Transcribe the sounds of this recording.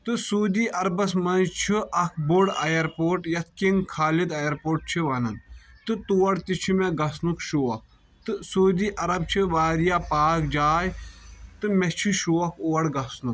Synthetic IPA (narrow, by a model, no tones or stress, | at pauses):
t̪ɨsuːd̪iːʔɐɾbɐsmɐnzt͡ʃʰiʔɐk̚ʰboɽɐjɐɾpoːʈjɐt̪̚ʰkiŋɡkʰaːlid̪ɐjɐɾpoːʈ̚t͡ʃʰiʋanɐnt̪ɨt̪uːɐɽt̪it͡ʃʰimeɡɐsnukʃuːɐk̚ | t̪ɨsuːd̪iːʔɐɾɐb̚t͡ʃʰiʋaːɾijaːpaːkd͡ʒaːjt̪ɨmɛt͡ʃʰiʃuɐkʰoːɐɽɡɐsnuk